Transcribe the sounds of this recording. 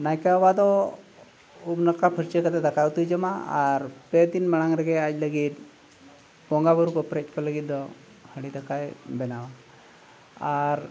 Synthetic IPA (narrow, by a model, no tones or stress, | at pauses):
najkawbad̪ɔ | ubnəkapʰəɾt͡ʃekəd̪ed̪əkawt̪ud͡ʒəmaa̰ɾped̪inməɽaŋɾəɡeacləɡit̪̚ | bɔŋɡabəɾukɔpɾet͡ʃpɔləɡit̪̚d̪ɔ | həɽid̪əkajbɛnaʋa | aɾ